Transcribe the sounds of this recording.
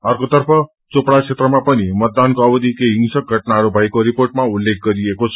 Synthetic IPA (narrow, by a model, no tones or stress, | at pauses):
aɾkot̪ʌɾpʰʌ | t͡sopɽasʰet̪ɾəmãpʌnimət̪̚d̪ankoəbəd̪ikeɦiŋsək̚ɡʱəʈnaɾobʱajkoɾipoɾʈmaulːek̚ʰɡʌɾiekot͡sʰ